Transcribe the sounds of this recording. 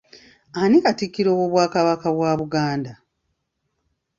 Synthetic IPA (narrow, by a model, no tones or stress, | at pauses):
anikatikːiɾoːwoβwaːkaβakaβwaːβuɡaːnda